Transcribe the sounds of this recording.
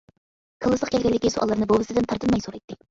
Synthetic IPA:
kʰəlˠːɨsˠəqkʲɛlʲɡʲɛnlːɪkʲisoʔɑ̰lˠɨɾnɨbobɨsɨd̪ɪnt̪ʰɑɾt̪ʰɨnmɑjsoɾɑjt̪ʰːɪ

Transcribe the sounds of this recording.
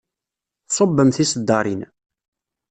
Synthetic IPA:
sˤobːəmθisəd̪ːɑɾˤin

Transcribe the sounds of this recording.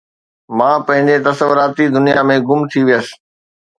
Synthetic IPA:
mãːpɐ̃ɦɪ̃ɲd͡ʑet̪ɐsəʋʊɾaːt̪id̪ʊnijamẽɡʊmt̪ʰiʋijəsɪ̥̆

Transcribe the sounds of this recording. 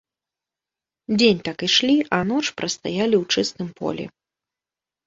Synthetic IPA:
d͡zʲenʲt̪akiʂlʲiʔɐnɔt͡ʂpɾʔɐst̪a̰jalʲiwt͡ʂɨst̪ɨmpɔ̰lʲɛ̰

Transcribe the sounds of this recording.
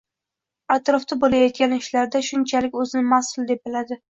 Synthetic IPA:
at̪ɾɒft̪abolajɒt̪̚kʲanɪʃlaɾd̪aʃʊnt͡ʃʰalɪkʲɵzɪnɪmasʊlˠd̪e̞p̚bɪlad̪ɪ

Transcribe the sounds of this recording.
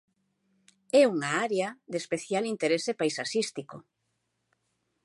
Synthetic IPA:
ɛuŋaaɾeaðespeθjalint̪eɾesepajsasist̪iko

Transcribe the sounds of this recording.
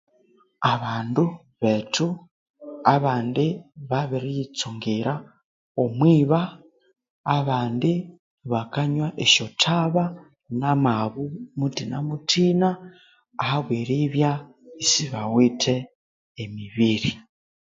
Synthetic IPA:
aβaːndu | βetʰu | aβaːndiβaβiɾijit͡soŋɡiɾa | omwiːβaː | βaːndi | βakaɲwaʔeʃotʰaβa | namaβumutina̰mutʰinaː | haβweɾiβja | isiβawitʰeː | miβiɾi

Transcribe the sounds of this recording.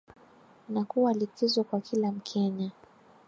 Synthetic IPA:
nakuwalikizɔkwakʰilam̩kʰɛɲa

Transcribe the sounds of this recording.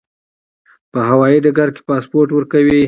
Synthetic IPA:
pəɦawɑjid̪aɡaɾke̥pɑspoɾʈwəɾkawi

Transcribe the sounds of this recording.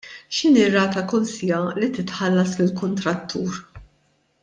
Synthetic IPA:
ʃɪniːrːɐːt̪ɐkɔnsijɐlit̪ɪt̪ħɐlːɐslɪlkʊnt̪ɾɐt̪ʰːuːɾ

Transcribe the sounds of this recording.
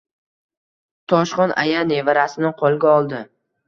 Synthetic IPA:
t̪ʰɒʃχɒnʔa̰janevaɾasɪnɪqʰolˠɡʲaɒlˠd̪ɪ

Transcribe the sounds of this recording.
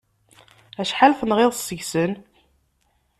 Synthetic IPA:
æʃħalfənʁeðˤsːəʝsən

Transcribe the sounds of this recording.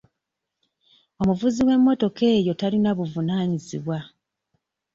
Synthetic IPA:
o̞muvuziwe̞mːo̞to̞ke̞ːjo̞talinaβuvunaːɲizḭβwa

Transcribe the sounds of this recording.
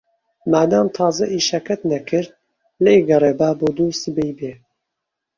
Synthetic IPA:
maːd̪aːmt̪ʰɑːzɐʔiːʃakʰɐt̪nɐkʰɨɾ | leɡɐreːbaːboːd̪uːst̪bɛjbeː

